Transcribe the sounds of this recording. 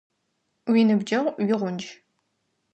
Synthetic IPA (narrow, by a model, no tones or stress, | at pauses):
winɨbd͡ʒɐʁʷɥɪʁʷʊnd͡ʒ